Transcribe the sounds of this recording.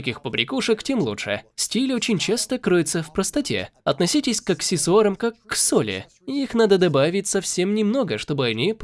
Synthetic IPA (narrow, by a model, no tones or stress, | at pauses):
kʲixpəbɾʲɪkuʂəktʲemlˠṵtʂɨ̰sʲtʲilʲot͡ɕɪnʲt͡ɕast̪əkɾɨjɪt̪səfpɾəst̪ɐtʲḛɐt̪nɐsʲitʲɪsʲkaksʲɪsoɾəmkakːsolʲɪ̰ | ɪixn̪ad̪əd̪ɐbavʲɪtʲsɐfsʲe̞mnʲɪmno̞ɡəʂt̪o̞bɨɐnʲip